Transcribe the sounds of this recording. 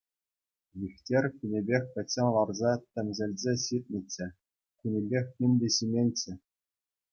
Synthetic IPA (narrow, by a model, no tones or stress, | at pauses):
jʲixʲtʲerʲkʲynʲebʲexʲpʲɘ̆sĕnlˠɑrzɑtʲɘ̆mʲzʲɘ̆lʲzʲeɕit̪̚ʲnʲɘ̆t͡ɕːɘ̆ | kʲynʲebʲexʲːinʲdʲeɕimʲenʲt͡ɕɘ̆